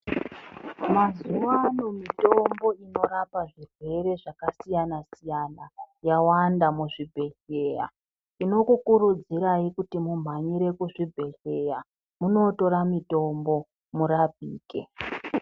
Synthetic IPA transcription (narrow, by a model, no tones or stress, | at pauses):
mazuʋano̞mito̞mbo̞ino̞ɾapaʐirwe̞re̞ʐakasijanasijanajawandamuʐibʱe̞ɬe̞ːja̰ | ino̞kukurud͡ziɾaikutimum̤aɲiɾe̞kuʐibʱe̞ɬe̞ja | muno̞to̞ɾamito̞mbo̞ | murabʱiːke̞̰